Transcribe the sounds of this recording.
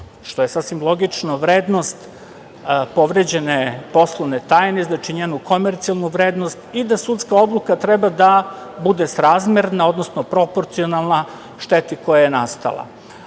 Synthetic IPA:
ʃt̪o̞je̞sasʋimlˠo̞ɡit͡ʂnoʋɾeːd̪no̞st̪ | po̞ʋɾed͡ʑe̞nepo̞slˠoʋnet̪aːjneznat͡ʃiɲeːnuko̞meɾt̪sijalˠnuʋɾeːd̪nost̪id̪asut̪skao̞d̪lˠukat̪ɾebad̪abud̪esɾaːzmjeɾnao̞d̪no̞snopɾo̞poɾt̪sio̞nalˠna | ʃt̪et̪iko̞jajenast̪a̰lˠa̰

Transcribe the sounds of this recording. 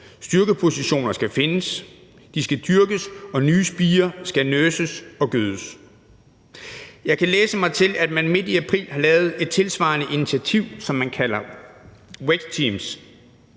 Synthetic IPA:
sd̥yɐɡ̥əpʰo̝siɕo̝̰ːnɐsɡ̥æfe̝nəs | d̥isɡ̥æd̥yɐɡ̥əsɒ̽nyːsb̥iːɐsɡ̥ænøsəsɒ̽ɡ̥øð̞ˠəs | jɑ̈ɪkʰæleːsəmɑ̈ɪt͡sʰe̝læd̥mænme̝d̥iæpʰʁḭːlhɑ̈lɛːʊð̞̩ˠe̝d̥̚t͡sʰe̝lsʋɑ̈nəʔinit͡sʰiæt͡sʰiʊ̰sɒ̽mːænkʰæl̰ɐ | weɡ̥t͡sʰiːms

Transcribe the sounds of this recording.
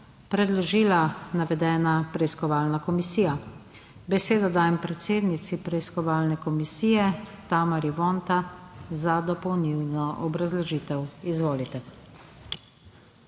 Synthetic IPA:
pɾɛd̪lɔʒiːlanaʋɛd̪ɛːnapɾɛiskɔʋaːlnakɔmisiːja | bɛseːd̪ɔd̪aːjɛmpɾɛt̪seːd̪nit̪sipɾɛiskɔʋaːlnɛkɔmisiːjɛt̪aːmaɾiʋɔnt̪azad̪ɔpɔwniwnɔʔɔbɾazlɔʒiːt̪ɛwizʋoːlit̪ɛ

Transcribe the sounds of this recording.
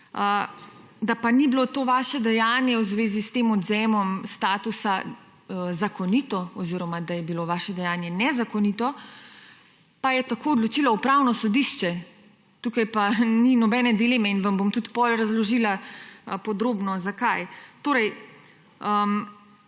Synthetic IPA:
ə | d̪apanibilot̪oːʋaːʃɛd̪ɛjaːnjɛwzʋeːzist̪eːmɔd̪zɛmɔmst̪aːt̪usa | zakɔniːt̪ɔɔziɾɔmad̪ajɛbiloʋaːʃɛd̪ɛjaːnjɛnɛzakɔnit̪ɔ | pajɛt̪akoːd̪lɔt͡ʃiːlaupɾawnɔsɔd̪iʃt͡ʃɛ | t̪ukajpaninɔbɛnɛd̪ileːmɛinʋambomt̪ut̪pɔlɾazlɔʒilapɔd̪ɾoːbnɔzakajt̪oːɾɛj | əm

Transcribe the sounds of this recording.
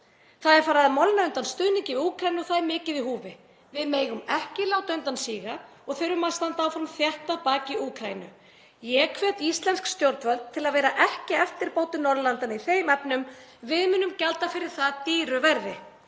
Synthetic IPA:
θaðɛɾ̥faːɾaðɪmɔlnaœnt̪anst̪œðniɲcɪuːkʰɾajnʏθaðɛɾmɪːcɪðiɦuːvɪ | vɪðmeːjɣʏmɛhcɪlaːwt̪œɥnt̪ansiːɣa | ɔɣθœjɾʏmast̪ant̪aːwfɾamθjaht̪apaːcɪuːkʰɾainʏ | jɛkʰvɛt̪ist̪lɛnskst̪jowɾt̪vœlt̪̚t̪ʰːɪlaðvɛːɾaʔɛhcɪɛft̪ɪɾpoːwt̪ʏnɔɾðlant̪aniθejmɛpnʏmvɪðmʏːnːʏmcalt̪afɪɾɪɾ̥θaðt̪iːɾʏvɛɾðɪ

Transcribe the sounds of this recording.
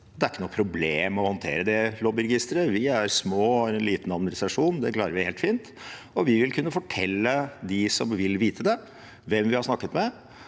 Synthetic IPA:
d̪ɛæɾɪkːənuːpʰɾʊbleːmɔhɔnt̪ʰḛːɾəd̪ɛlɔbɪɾɛɡɪst̪ɾəʋɪæɾsmoːɛnliːt̪nɑmnɪsɑʂuːnd̪ɛklɑːɾəɾʋɪheːlt̪fiːnt̪ | ɔʋɪʋɪlkʰʉnːəfɔʈʰɛ̰lːəd̪ɪsɔmʋɪlʋiːt̪ʰəd̪ɛ | ʋɛmʋɪhɑɾʂnɑkːət̪mɛ

